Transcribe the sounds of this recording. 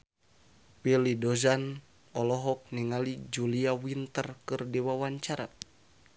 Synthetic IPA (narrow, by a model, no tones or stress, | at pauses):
wilidɔzan | ɔlɔɦɔk̚nɛŋalid͡ʒuliawint̪ərkɨrdɛwawaɲt͡ʃaɾa